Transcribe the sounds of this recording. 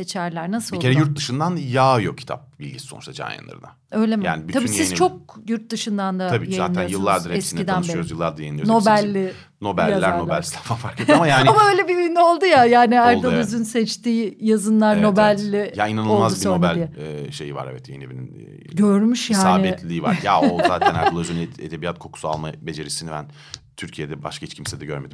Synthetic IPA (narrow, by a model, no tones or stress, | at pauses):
set͡ʃʰæɾlʲæɾnasɯloiocʰeɾɛjuɾt̪̚d̪ɯʃɯnd̪anjaːjokʰcʰi̥t̪ʰa̰p̚bilʲɟʲisi̥so̞nut͡ʃʃt̪ʰad͡ʒa̰ːjɯ̰nˠa̰ɾɯ̰na | ø̞jlʲemja̰ːnɪbyt̪abiːsi̥t͡ʃʰo̞k̚juɾt̪̚d̪ɯʃɯnd̪and̪atʰabiːjezaːnʰænjɯlˠːaɾd̪aɾeɛsinid̪ænezjɯlˠːa̰ɾd̪ajejinʲjno̞bælʲːɪ | no̞bæ̰lʲːæɾnobælʲst̪ʰafanfaɾkʰeamajaːnamaøjlʲebiijnio̞lˠd̪ujajaːnɪaɾlˠd̪alˠyzynsɛt͡ʃt̪iːjazɯnlˠaɾno̞bælʲːɪjainanɯolˠmazubsioɾobælʲiɛɛʃe̞jiva̰ɾevɛt̪jenevinḭn | ɟøɾmyʃjasːaːɪbɛlʲiːva̰ɾjaoza̰ːt̪ʰænaulˠazyned̪ebiat̪̚kʰo̞kʰu̥sua̰lˠmabe̞d͡ʒe̞ɾisinibæn | t̪ʰyɾcʰijed̪ɛba̰ʃkahit͡ʃcʰimsɛd̪ɛɟøɾme̞d̪im